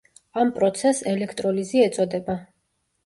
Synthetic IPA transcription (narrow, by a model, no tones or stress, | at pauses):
ampʼɾɔt̪sʰɛsɛlɛkʰt̪ʼɾɔliziɛt̪sʼɔd̪ɛba